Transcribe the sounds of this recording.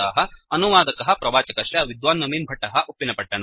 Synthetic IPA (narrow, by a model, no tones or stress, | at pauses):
aːɦɐɐnuʋaːd̪ɐkɐɦɐpɾɐʋaːt͡ʃɐkɐʃjɐʋid̪ʋaːnːɐmiːnbʱɐʈːɐɦɐʔupːinɐpɐʈːɐn